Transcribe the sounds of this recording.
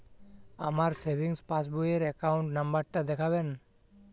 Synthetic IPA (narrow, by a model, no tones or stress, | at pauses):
a̰maɾsebʱiŋspasbujeɾɛkawɳʈnambaɾʈad̪ɛkʰaβɛn